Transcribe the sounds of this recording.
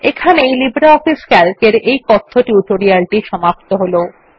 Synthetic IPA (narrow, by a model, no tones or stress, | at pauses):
ekʰanejlibɾaɔfiskɛlkeɾejkɔt̪ʰːoʈjuʈoɾialʈiʃɔmap̚t̪oɦolo